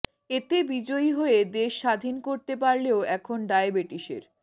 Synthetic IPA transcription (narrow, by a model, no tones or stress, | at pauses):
et̪ebid͡ʑojɦoed̪eʃːad̪ʱinkoɾt̪epaɾleoɛkʰonɖaebeʈiʃḛɾ